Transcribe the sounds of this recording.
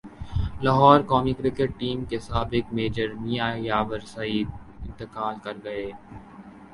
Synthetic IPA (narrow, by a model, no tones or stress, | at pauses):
laɦɔːɾkɔːmikɾɪkeʈ̚ʈːiːmkesaːbɪkmeːd͡ʒəɾmijaːjaːʋəɾsaiːd̪̚ɪ̃nt̪ɪkaːlkɐɾɡɐeː